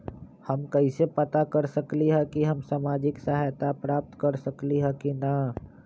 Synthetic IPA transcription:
həmkɐisepət̪akəɾsəkliɦɛ̃kiɦɐmsaːmaːd͡ʒɪksaɦajt̪apɾaːp̚t̪kɐɾsəkliɦɛ̃kina

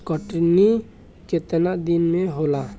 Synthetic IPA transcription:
kəʈni | ket̪ənad̪inmẽɦola

